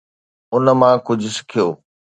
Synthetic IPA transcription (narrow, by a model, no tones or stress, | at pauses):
ʊnə̆mãkʊd͡ʑʱʊsɪ̥kʰijoː